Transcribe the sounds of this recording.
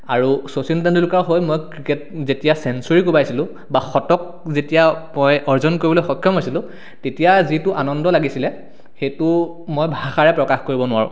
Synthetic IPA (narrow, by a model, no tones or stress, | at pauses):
aɹusosintandulukaɹɦojmojkɹiket̚zetijasɛnsɔɹikubajsilʊ̃ | baxɔtɔk̚zetijamojɔɹzɔnkoɹibɔlojxɔkʰːjɔmɦojsilʊ̃ | tetijazitʊʔanɔndɔlaɡisilɛ | xejtʊ | mojbʱaxaɹɛpɹɔkaxkoɹibɔnʊwa̰ɹʊ̰̃